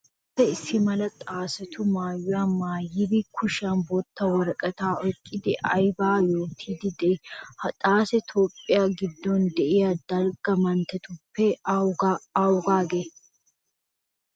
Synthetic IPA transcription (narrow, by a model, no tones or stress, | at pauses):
ɐpːɛɪsːɪmɐlɐt̪ʼaːsɛt̪ʰʊmaːjːʊwaːmaːjɪbɪkʰʊʃanbɔt̪ːɐwɐɾɐkʼɐt̪aːʔɔkʼːɪd̪ɪʔɐjbaːjo̞ːt̪ʰiːd̪ɪd̪ɛhɐt̪ʼaːsɛt̪ʰoːpʼːɪjaːɡɪd̪ːɔnd̪ɛʔɪjad̪̥ɐlɡɐmɐnt̪ɛt̪ʊpːɛ | awʊɡaːɡe